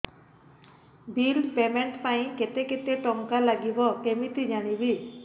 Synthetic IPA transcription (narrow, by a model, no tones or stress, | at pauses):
bilpemeɳʈpaĩket̪eket̪eʈɔŋkalaɡibɔkemit̪id͡ʒaɽ̃ibi